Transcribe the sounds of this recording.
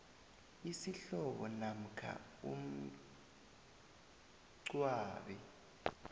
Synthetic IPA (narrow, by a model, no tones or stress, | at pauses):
isiɬɔɓɔnam̩kʰa̰ | um̩ | ǀwaːɓɛ